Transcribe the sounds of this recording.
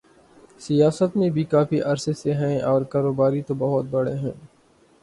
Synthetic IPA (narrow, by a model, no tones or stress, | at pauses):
sijaːsət̪mẽbʱikaːfiʔɐɾseseɦɛ̃ːɔːɾkaːɾoːbaːɾit̪obɐɦʊt̪̚bɐɽeɦɛ̃ː